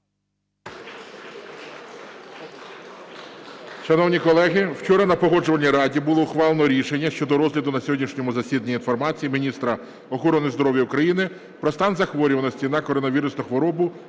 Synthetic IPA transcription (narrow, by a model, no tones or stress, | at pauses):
ʃɐnɔwnʲikɔlˠɛɦɪwt͡ʃɔɾɐnɐpɔɦɔd͡ʒʊʋɐnʲijɾɑdʲibʊlˠɔʊxʋɑlˠenɔɾʲiʃenʲːɐʃt͡ʃɔd̪ɔɾɔzɦlʲɐd̪ʊnɐsʲɔɦɔdʲnʲiʃnʲɔmʊzɐsʲid̪nʲinfɔrmɑt͡sʲijimʲinʲist̪ɾɐ | ɔxɔɾɔnɪzd̪ɔɾɔʋʲjɐʊkɾɐjinɪ | pɾɔst̪ɑnzɐxʋɔɾʲʊʋɐnɐsʲt͡sʲinɑkɔɾɔnɐʋʲiɾʊsnɔxʋɔɾɔbʊ